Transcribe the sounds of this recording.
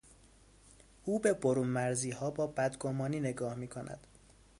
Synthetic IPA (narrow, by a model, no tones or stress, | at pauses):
ʔuːbe̞boɾuːmmæɾziːhɒːbɒːbæd̪ɡomɒːniːne̞ɡɒːhmiːkʰo̞nʔæ̰d̪̥